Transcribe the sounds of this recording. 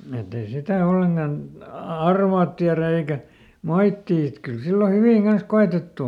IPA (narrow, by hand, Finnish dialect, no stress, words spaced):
et ei sitæ olːeŋkɑn ɑ ɑrʋɑːt tiæræ eikæ moitːiː et kyl silːo hyʋiˑŋ ɡ̊ɑns koetetːu